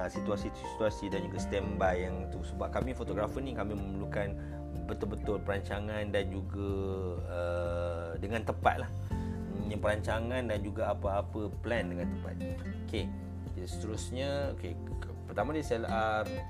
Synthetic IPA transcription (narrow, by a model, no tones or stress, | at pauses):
sit̪uasit̪ssi̥t̪uasidand͡ʒuɡasə̥t̪ɛmbajaŋit̪usəbap̚kamĩfot̪oɡɾafənikamĩməməlukan | bət̪ʊlbət̪ʊlpəɾaɲt͡ʃaŋãndand͡ʒuɡa | ə | dəŋãnt̪əpa̰t̪̚lah | əɲãpəɾaɲt͡ʃaŋãndand͡ʒuɡaapaːpəplɛndəŋãnt̪əmpa̰t̪̚ | oke | sə̥t̪əɾusɲaoke | pərt̪amadiasɛlʔar